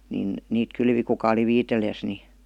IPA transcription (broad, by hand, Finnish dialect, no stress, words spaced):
nin niːt kylʋi kukɑ oli ʋiːtelijæs ni